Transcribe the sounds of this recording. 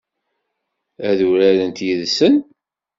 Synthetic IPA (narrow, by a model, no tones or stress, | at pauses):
æðuɾæðənt̪jiðsən